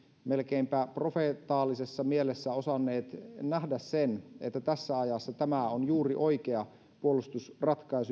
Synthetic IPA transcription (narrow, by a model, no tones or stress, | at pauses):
melkeimpæːpro̞fet̪ɑːlːisesːɑmielesːæo̞sɑnːeːt̪næhdæssenet̪ːæt̪æsːæɑjɑsːɑt̪æmæonjuːriʔo̞ikeɑ | puolust̪usrɑt̪kɑisu